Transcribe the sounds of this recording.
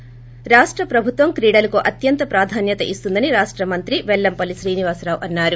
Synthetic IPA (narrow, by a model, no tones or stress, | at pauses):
ɾaːʂʈɾɐpɾɐbʱut̪ʋɐmkɾiːɽɐlɐkoʔɐt̪jɐnt̪ɐpɾaːd̪ʱaːnjɐt̪ɐʔist̪und̪ɐniɾaːʂʈɾɐmɐnt̪ɾiʋɛlːɐmpɐliʃɾiːniʋaːsɾaːʋʔɐnːaːɾu